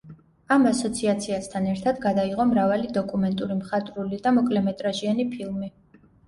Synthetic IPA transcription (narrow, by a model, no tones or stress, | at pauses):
amasɔt̪sʰiat̪sʰiast̪ʰanɛɾt̪ʰad̪ɡad̪aiʁɔmɾavalid̪ɔkʼumɛnt̪ʼuɾimχat̪ʼɾulid̪amɔkʼlɛmɛt̪ʼɾaʒianipʰilˠmi